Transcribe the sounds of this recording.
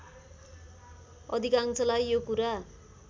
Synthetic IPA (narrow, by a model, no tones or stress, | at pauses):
ʌ̰d̪ʱikaŋt͡sʰʌlajːokuɾa